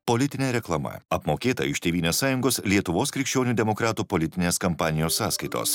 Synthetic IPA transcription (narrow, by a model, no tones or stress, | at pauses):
polʲɪt̪ʲɪnʲeːɾʲɛklˠɐmɐ̰ɐpmoːkʲeːt̪ɐ̰ɪʃt̪ʲeːʋʲiːnʲoːssɑːjʊŋɡoːslʲiɛt̪ʊʋoːskɾʲɪkʃʲt͡ʃʲoːnʲuːd̪ʲɛmɔkɾɑːt̪uːpɔlʲɪt̪ʲɪnʲeːskɐmpɑːnʲɪjoːsːɑːskɐɪt̪o̰ːs